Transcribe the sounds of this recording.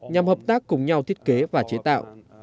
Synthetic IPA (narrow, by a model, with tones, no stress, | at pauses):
ɲa˨˩mhəː˨˩p̚t̪aː˦˥kːʊ˨˩ŋ͡mɲa˨˧wt̪ʰi˦˥ət̚ke˨˦vaː˨˩t͡ɕe˨˦t̪a̰ː˧˨w